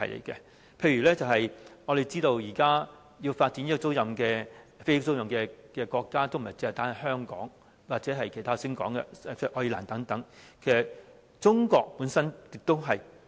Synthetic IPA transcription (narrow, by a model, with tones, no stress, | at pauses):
ɐ̰˨˩jlḛ˨˩jkɛ̰˧ | pʰe˧jɥyː˨˩lɛː˥t͡sɐ˨wɦɐ˨jŋɔ˨˧ɾe˨jt͡siː˥t̪o˧wjiː˨˩kaː˥ | jiː˧wfaː˧t̚t͡si˨˥ni˥kɔ˧t͡so˥wjɐ˧mkɛː˧fe˥j̚t͡so˥wjɐ˧mkɛː˧kɛː˧kɔː˧kːaː˥t̪o˥wm̩˨˩˨ɐ˨jt͡si˥ht̪aː˥nɐ˨˩ɦœː˥ŋkɔ̰ː˨˥ŋ | waː˨t̚t͡sɛ˨˥ɦɐ˨jkʰt̪ʰaː˥˨sɪ˥ŋkɔ̰ː˨˥ŋɡɛ̰˧t͡sʔɔ˧la̰ː˨˩nt̪ɐ˨˥ŋt̪ɐ˨˥ŋkʰe˨˩sɐ˨t̚ | t͡sʊ˥ŋkɔː˧k̚puː˨˥nsɐ˥nkɪ˨˧k̚t̪ːo˥wɦɐ˨j